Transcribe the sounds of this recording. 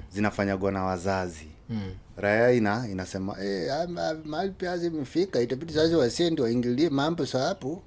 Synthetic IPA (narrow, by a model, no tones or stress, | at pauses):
zinafaɲaɡwanawazazi | ɾajainainasɛma̰ʔɛaamaalipiaazɛmifikaitap̬itizaziwasɛndiwaiŋɡiliɛmambɔsaapu